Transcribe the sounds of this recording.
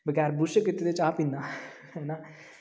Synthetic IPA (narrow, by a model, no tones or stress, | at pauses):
bəɡɛːɾbʊʃəkɪt̪ːeːd̪eɪt͡ʃaːpĩːnd̪aː | hɛːnaː